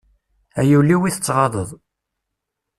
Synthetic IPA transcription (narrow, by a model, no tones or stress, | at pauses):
æjulːiwiθə̥t͡sːʁɑðˤəðˤ